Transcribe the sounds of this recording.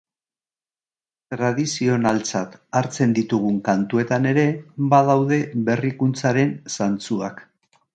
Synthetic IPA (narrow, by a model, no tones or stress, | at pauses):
t̪ɾaðisio̞nalt͡sat̪aɾt͡se̞nd̪it̪uɣ̞uŋkant̪ue̞t̪ane̞ɾe̞bað̞awðe̞βe̞rikunt͡saɾe̞nsant͡suak